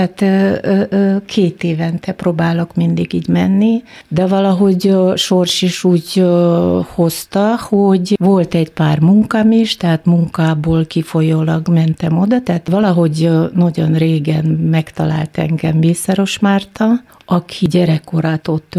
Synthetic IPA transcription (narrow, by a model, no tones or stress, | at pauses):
at̪ː | kʰeːt̪eːvɛnt̪ɛproːbaːlo̞kmind̪iɡiːɟmɛnːi | d̪ɛvɒlɒɦo̞ɟʃorʃiʃuːɟ | ho̞st̪ɒhoɟʋo̞lt̪ɛɟpaːrmuŋkɒmiʃt̪ɛɦaːt̪muŋkaːboːlkifo̞joːlɒɡmɛnt̪ɛmo̞d̪ɒt̪ɛaːt̪vɒlɒɦo̞ɟnɒɟo̰nreːɡɛnmɛkt̪ɒla̰ːlt̪ɛ̰ŋɡɛmviːsɛɾo̞ʃmaːrt̪ɒ | ɒkʰiɟɛɾɛkːoɾat̪o̞t̪ː